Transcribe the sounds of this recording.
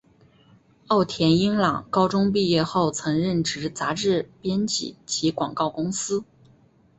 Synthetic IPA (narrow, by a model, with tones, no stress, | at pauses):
ɑ˥˩ʊt̪ʰjɛ˧˥ni˥ŋlɑ̰˨˩ŋkɑ˥ʊʈ͡ʂʊ˥ŋp̬i˥˧jɛ˥˧xo˥˩ʊt͡sʰɤ˧˥ŋɻə˥˩nʈ͡ʂɻ̩˧˥t͡sa˧˥ʈ͡ʂɻ̩˥˩pjɛ˥nt͡ɕḭ˨˩˦t͡ɕʰi˧˥kwɑ̰˨˩ŋkɑ˥˩ʊkʊ˥ŋsɹ̩˥